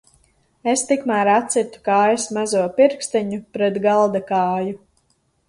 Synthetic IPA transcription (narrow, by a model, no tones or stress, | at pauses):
est̪ikmæːɾat̪sit̪u̥kaesmazuɔpiɾkst̪iɲupɾɛt̪ɡalˠd̪akaːju